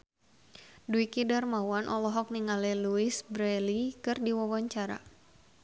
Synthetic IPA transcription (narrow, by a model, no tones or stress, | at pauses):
duikidarmawanʔɔlɔɦɔk̚niŋalɛluisbɾɛlikɨrdiwɔwɔɲt͡ʃaɾa̰